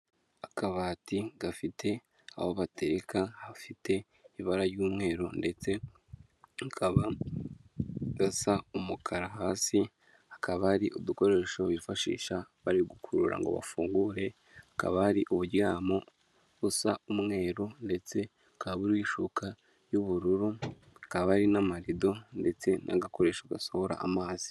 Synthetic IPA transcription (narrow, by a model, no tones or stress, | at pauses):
akaβaːtiɡafitʰe̞ | a̰hoβatʰe̞ɾekahafite̞ | iβaɾaɾjuːmŋe̞ːɾonde̞t͡se̞ | ŋkʰaβa | ɡasaumukʰaɾaɦaːsi | hḁkaβaːɾiʔubduko̞ɾe̞ʃo̞βifaʃḭːʃaβaɾiɡukʰuɾuɾa̰ŋɡo̞̰βa̰fuːŋɡuːɾe̞ | haka̰βahaɾiʔuβuɟɡaːmo | βusaumŋe̞ːɾonde̞t͡se̞ | ŋkʰaβuɾwiʃukʰa | juβuɾuɾu | ŋkaβaaɾinamaɾido̞nde̞t͡se̞nʔa̰ɡako̞ɾe̞ːʃaɡasohoɾa̰ʔːmaːz̥i̥